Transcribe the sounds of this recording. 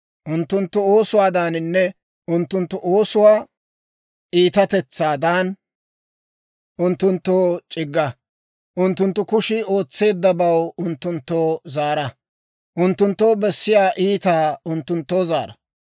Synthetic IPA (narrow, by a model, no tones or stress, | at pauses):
ʔʊnt̪ːʊnt̪ːʊo̞ːsʊwaːd̪aːnɪnːɛ | ʔʊnt̪ːʊnt̪ːʊʔo̞ːsʊwaː | ʔiːt̪ɐt̪ɛt͡sːaːd̪aːn | ʔʊnt̪ːʊnt̪ːoːt͡ʃʼɪɡːɐ | ʔʊnt̪ːʊnt̪ːʊkʊʃɪo̞ːt͡sːe̞ːd̪ːɐbɐwʊnt̪ːʊnt̪ːoːzaːɾɐ | ʔʊnt̪ːʊnt̪ːoːbɛsːɪjaːʔiːt̪aːʊnt̪ːʊnt̪ːo̞ːzaːɾɐ